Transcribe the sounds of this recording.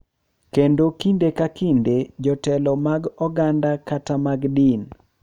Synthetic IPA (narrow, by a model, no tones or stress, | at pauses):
kendokindekakinded͡ʒɔtɛlɔmaɡɔɡandakatamaɡdin